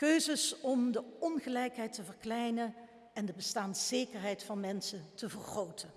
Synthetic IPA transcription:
køɥzəsɔmdəɔnχəlɛjkɦɛjtəvəɹklɛjnə | ɛndəbəstaːndəz̥ejkəɹɦɛjtfɑnmɛnsətəvərχrowtʰən

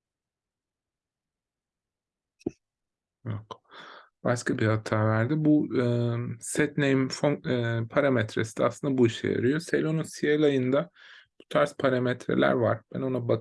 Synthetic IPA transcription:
jo̰kb̥aʃkʰabihat̪ʰaːvæɾd̪ɪbuɯsɛt̪nejmfopʰaɾamɛt̪ɾesid̪ɛaslˠɯnd̪abuiʃɛ̰ja̰ɾɯjo̞selʲo̞nunsielʲajɯnd̪ab̥u̥t̪ʰaɾspʰaɾamɛt̪ʰɾḛlʲæ̰ɾva̰ɾb̥æno̞nabak

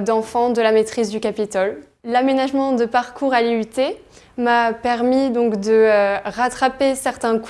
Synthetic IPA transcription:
d̪ɑ̃fɑ̃d̪əlamet̪χizd̪ykapit̪ɔl | lamenaʒmɑ̃d̪əpaʁkʰuʁaliyt̪e | mapɛʁmid̪ɔ̃kd̪əʁat̪χapesɛʁt̪ɛ̃k

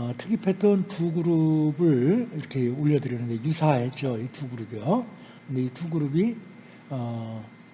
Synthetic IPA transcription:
tʰɯkʰipʰet͈ʌntuɡɯɾubɯɭiɾʌkʰe̞oʎːʌdɯɾʌnɯnde̞jusʰaɦe̞t̚t͡ɕ͈oituɡɯɾubijo | kɯndeituɡɯɾubi | ʌ

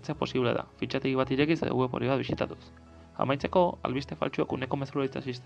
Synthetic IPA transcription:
t͡sepo̞siβleða̰fit͡ʃat̪eɣiβ̞at̪iɾe̞kisḛðoɣuβepo̞ɾiβat̪̚βisit̪at̪u̥s | a̰majt͡se̞ko̞a̰lβist̪e̞fa̰lt͡ʃuakune̞ko̞me̞suɾait͡sasist̪

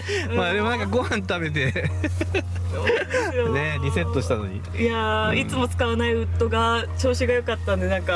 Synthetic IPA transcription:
ɯ̃maːd̪e̞mo̞nãŋkaɡo̞hãnt̪abe̞t̪̬e̞ | ooneɾʲise̞t̪ːo̞ɕi̥t̪ano̞̰ɲ̟ḭ | jait͡sɨmo̞t͡sɨ̥kaβanaiɯ̟t̪ːo̞ɡat͡ɕo̞ːɕiɡajo̞kat̪ːãnd̪e̞nãŋka

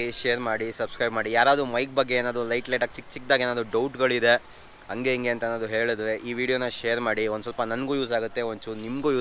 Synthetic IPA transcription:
iʃejɾmaːɽisɐbskɾɐjbmaːɽijaːɾaːd̪umɐjk̚bɐɡːe̞eːnaːd̪ulɐjʈlɐjʈaːk̚t͡ʃik̚ːt͡ʃik̚d̪aːɡeːnaːd̪uɖɐwʈɡɐɭid̪e̞ | ɐŋɡe̞iŋɡeɐnt̪ɐenaːd̪uɦe̞ːɭid̪ɐɾe̞ʔiːʋiːɽijo̞ːnɐʃejɐɾmaːɽiond̪sɐlpɐnɐnɡuːjuːs̬aːɡut̪ːe̞oɲt͡ʃunimɡuːjuː

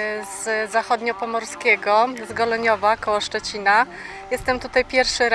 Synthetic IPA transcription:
z̥zaxɔd̪ɲɔpɔmɔɾskʲɛɡɔzɡɔlɔɲɔvakɔwɔʂt͡ʂɛt͡ɕina | jɛst̪ɛmt̪ut̪ajpʲjɛɾfʂɘɾ

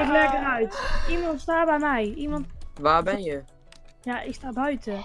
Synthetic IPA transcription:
ɪklɛkərœɥtimɔntstaːbɛjmɛjimɔntʋaːbɛnjə | jaʔɪkstaːbœɥtə

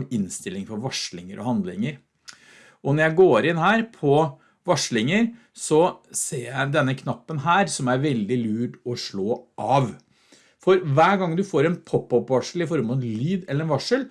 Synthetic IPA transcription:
mɪnst̪ɪlːɪŋfɔɾʋɑʂɭɪŋəɾʔɔ̰hɑnd̪lɪŋəɾ | ʔɔnɔɾjæɪɡoːɾɪnhæːɾpʰɔ | ʋɑʂɭɪŋəɾ | sɔseːɾjæɪd̪ɛnːəkʰnɑpːənɦæːɾsɔmæɾʋɛld̪ɪlʉːʈɔʂɭoːʔɑʋ | fɔɾʋæːɡɑŋd̪ʉfoːɾɛnpʰɔpːɔpːʋɑʂlɪfɔɾmɔt̪lyːd̪ɛlːəɾɛnʋɑʂəl

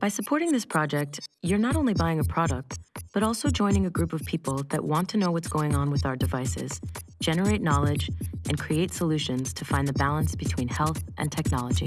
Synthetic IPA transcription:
b̥aɪsəpʰɔɹɾɪ̃ŋðɪspʰɹ̥ɑd͡ʒɛk̚tjə˞nəɾõʊ̃nlibaɪɪ̃ŋɨpʰɹ̥ɑɾək̚t̚b̥ʌɾɔlˠsoʊd͡ʒɔ̃ɪ̃nɪ̃ŋɨɡɹʉpʌv̥pʰipl̩ˠðɨ̰ʔwɑ̃ntʰɨnoʊwʌtsɡ̥oʊɪ̃ŋə̃nwɨðaʊə˞dɨvaɪsɪ̰z̥d̥d͡ʒ̥ɛnə˞eɪtⁿnɑlˠɪd͡ʒʔɨ̃nkʰɹ̥ieɪtsəlʉʃɨ̃nz̥tʰɨfãɪ̃nðɨbælˠə̃nsb̥ɨtʰw̥ĩnhɛlˠθʔɨ̰̃ntʰɛk̚nɑlˠəd͡ʒḭ

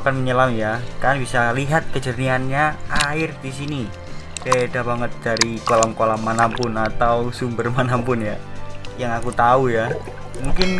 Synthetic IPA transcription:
kanməɲəlamijakanbisaliɦat̪̚kəd͡ʒərnianɲaaɪrdis̬ini | pedabaŋət̪̚d̥aɾikolamkolammːanampʊnat̪awsumbərmanampʊnjajaŋakut̪auja | muŋkɪn

